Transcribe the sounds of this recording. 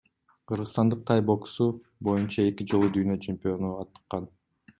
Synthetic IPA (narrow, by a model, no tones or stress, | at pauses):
qʰɯɾʁɯst̪ɑnd̪ɯq̚t̪ʰɑjbo̞ksu | bo̞junt͡ʃɑe̞kid͡ʒo̞lˠud̪yjnø̞t͡ʃʰempʲijo̞nuɑt̪ːɯ̥qːɑn